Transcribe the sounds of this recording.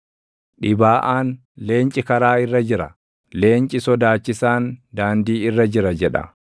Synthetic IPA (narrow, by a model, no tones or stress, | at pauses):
ᶑɪbaːʔaːn | leːnt͡ʃʼɪkɐɾaːɪrːɐd͡ʒɪɾɐ | le̞ːnt͡ʃʼɪsɔd̪aːt͡ʃːɪsaːnd̪aːnd̪iːɪrːɐd͡ʒɪɾɐd͡ʒɛᶑɐ̰